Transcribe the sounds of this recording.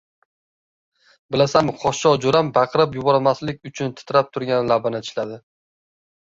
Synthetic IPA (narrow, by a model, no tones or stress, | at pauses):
bɪlasamqʰɒʃɒd͡ʒoɾambaqʰɾap̬jʊbɒɾmaslɪk̚ʲʊt͡ʃʰʊnt̪ʰɪ̥t̪ɾap̚t̪ʰʊɾɡʲanlabanɪt̪ʰɪʃlad̪ɪ